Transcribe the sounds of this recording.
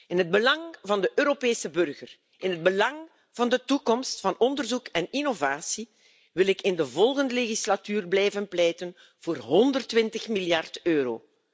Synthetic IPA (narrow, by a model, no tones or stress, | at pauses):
ɪnɦəd̚bəlɑŋvɑndəʔøːɾopeːsəbɵrɣər | ɪnɦəd̚bəlɑŋ | v̥ɑndətukɔmstfɑnɔndərzukɛninovaːsi | ʋɪlɪkɪndəvɔlˠɣəndəleɣislatyːrblɛjvənplɛjtən | v̥oːrɦɔndərtʋɪntəxmiljɑrtøːɾo̰ː